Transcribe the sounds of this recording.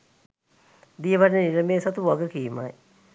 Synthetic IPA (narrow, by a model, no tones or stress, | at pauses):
d̪ijəʋaɾneniɾəmeːsat̪uʋaɡəkiːma̰j